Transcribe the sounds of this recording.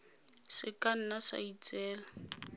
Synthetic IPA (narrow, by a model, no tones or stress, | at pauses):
sɪkan̩nasa̰it͡sɛːla